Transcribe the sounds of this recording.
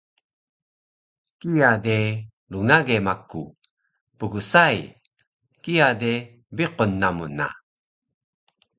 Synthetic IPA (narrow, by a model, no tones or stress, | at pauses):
kijade | luŋaɡemakːu | pəɡusaj | kijade | biqonːamuna̰